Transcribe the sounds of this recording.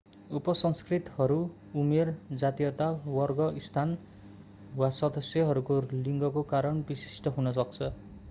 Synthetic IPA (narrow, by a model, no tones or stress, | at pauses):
upʌsʌŋskrit̪ɦʌɾu | umerd͡zat̪ijʌt̪awʌrɡʌʔist̪ʰan | wasʌd̪ʌsjʌɦʌɾukoliŋɡʌkokaɾʌnbisi̥sʈʌɦunʌsʌk̚t͡sʰʌ